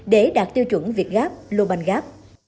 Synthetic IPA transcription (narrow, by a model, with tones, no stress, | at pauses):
ɗe˧˩˦ɗaː˨˩t̚t̪i˧əwt͡ɕwə˧˩˦nvi˨˩ət̚ɣaː˦˥p̚lo˧ɓa˧nɣaː˦˥p̚